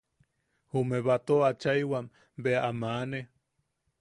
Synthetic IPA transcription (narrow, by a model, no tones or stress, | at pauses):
humeβat̪oat͡ʃajwam | beaʔamane